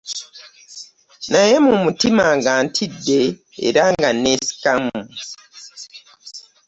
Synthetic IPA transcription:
naje̞mumutimaŋɡaːntʰidːe̞̰ː | ɾaŋɡaneːsi̥kamu

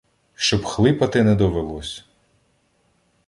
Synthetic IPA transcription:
ʃt͡ʃɔbxlˠɪpɐt̪ɪnɛd̪ɔʋelˠɔsʲɐ̥

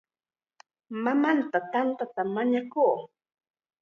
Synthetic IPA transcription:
mamant̪at̪ant̪at̪amaɲakuː

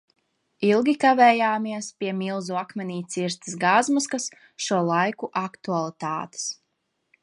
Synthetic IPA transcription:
ilˠɡʲikavɛːjaːmiɛspʲiɛmilˠzuakmʲɛniːt̪siɾst̪isɡazmɔskas | ʃuɔlˠajkuʔakt̪ualˠit̪a̰ːt̪e̥s

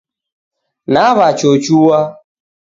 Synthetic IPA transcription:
naβat͡ʃot͡ʃuwa

